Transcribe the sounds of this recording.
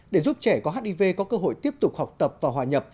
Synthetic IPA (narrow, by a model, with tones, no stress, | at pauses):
ɗe˧˩zu˦˥p̚t͡ɕɛ˧˩kɔ˨˦ɦaː˦˥t̚ʔi˧ve˧kɔ˨˦kəː˧ɦo̰˧˨jt̪i˦˥əp̚t̪ʊ˨˩k͡p̚ha˨˩wk͡p̚t̪ə˨˩p̚vaː˨˩ɦwaː˨˩ɲə˨˩p̚